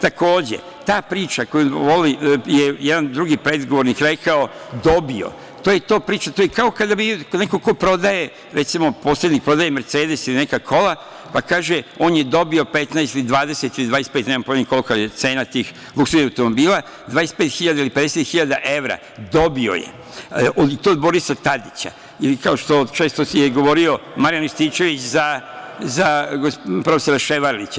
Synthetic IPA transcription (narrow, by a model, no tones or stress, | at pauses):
t̪ako̞ːd͡ʑḛ | t̪aːpɾiːt͡ʃakojuʋolijejɛd̪and̪ɾuɡipɾe̞d̪ɡoʋo̞ɾnikɾekaod̪o̞bio̰ | t̪oːje̞t̪o̞ːpɾiːt͡ʃat̪ojekao̞kad̪abikoneko̞ko̞pɾo̞d̪aje̞ | ɾet̪simo̞po̞ːsle̞d̪nik̚pɾo̞d̪ajemeɾt̪seːd̪e̞silinekakʰo̞la | pakaːʒeo̞ːnjed̪o̞bio̞pet̪naest̪ilid̪ʋaːd̪e̞set̪ilid̪ʋaːɾespet̪neːmampod̪niko̞lkojet̪seːnat̪iːx | lˠukseniawt̪omobiːlˠa | d̪ʋaːjeset̪pet̪xiʎad̪ailiped̪eset̪xiʎad̪aʔe̞ʋɾa̰ | d̪o̞bio̞̰jḛ | ʔod̪t̪od̪bo̞ɾisat̪ad̪it͡ɕa̰ | ilikaoʃt̪o̞t͡ʃe̞ːst̪osjeɡo̞ʋo̞ɾio̞maɾijanist̪iːt͡ʃe̞ʋit͡ɕzazaɡopɾo̞feso̞ɾaʃeʋaɾlit͡ɕa